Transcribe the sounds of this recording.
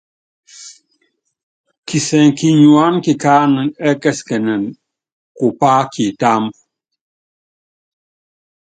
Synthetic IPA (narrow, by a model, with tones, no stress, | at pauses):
ki˨sɛ˨ŋ˨ki˨ɲu˨a˦nki˨ka˦nɨ˨ɛ˦kɛ˦skɛ˨nɛ˨n | ku˨pa˦kʰi˨ta˦m